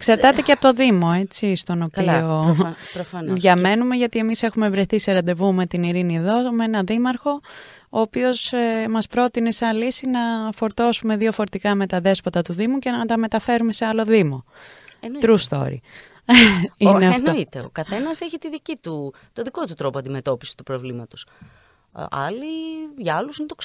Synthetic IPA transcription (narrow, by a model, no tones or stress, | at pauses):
ksɐɾt̪ɐt̪eceɐpot̪oðimo̞e̞t͡sist̪o̞no̞pio | pɾofɐnðʝɐme̞nume̞ʝɐt̪ie̞mise̞xume̞vɾe̞θiseɾɐd̪e̞vume̞t̪iniɾinieðo̞menɐðimɐɾxo̞ | oːpio̞smɐspɾo̞t̪ine̞sɐlisinɐfo̞ɾt̪o̞sume̞ðio̞fo̞ɾet̪ikɐme̞t̪ɐðe̞spɐt̪ɐt̪uðimuce̞nɐt̪ɐme̞t̪ɐfe̞ɾume̞se̞ɐlo̞ðimo̞ | t̪ɾust̪o̞̰ɾḭ | ineɐnit̪eo̰kɐθe̞nɐseçit̪iðicit̪u | t̪oðiko̞t̪ut̪ɾo̞poɐnd̪ime̞t̪o̞pi̥si̥t̪upɾovlimɐt̪os | ɐ̰liʝɐɐlusint̪o